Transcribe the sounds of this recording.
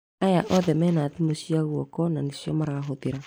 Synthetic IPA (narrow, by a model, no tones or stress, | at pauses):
ajaʔɔðɛmɛnat̪imosiaɣwɔkɔnanisiɔmaɾaɦot̪iɾa